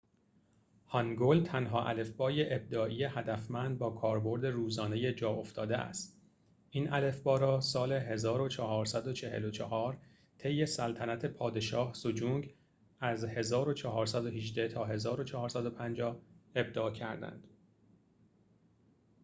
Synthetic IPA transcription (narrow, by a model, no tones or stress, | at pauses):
hɒŋɡolt̪ʰænɦɒːʔæ̰le̞fbɒːje̞ʔeb̚d̪ɒːʔiːje̞hæd̪æfmænd̪̚bɒːkʰɒːɾbo̞ɾd̪e̞ruːzɒːne̞je̞d͡ʒɒːo̞ft̪ɒːd̪eʔæ̰st̪ | ʔiːnʔæle̞fbɒːɾɒːsɒːle̞ɦe̞zɒːɾo̞t͡ʃʰɒɦɒːɾsæd̪o̞t͡ʃʰe̞hḛlo̞t͡ʃʰɒhɒːɾ | t̪ʰe̞jːe̞sælt̪ʰænæt̪ʰe̞pʰɒːd̪e̞ʃɒːhsod͡ʒuŋɡ | æzhe̞zɒːɾot͡ʃʰɒɦɒːɾsæd̪o̞ɦiʒd̪æt̪ʰɒːɦe̞zɒːɾo̞t͡ʃʰɒhɒːɾsæd̪o̞pʰænd͡ʒɒːhe̞b̚d̪ɒːcʰæɾd̪æ̰nd̪̥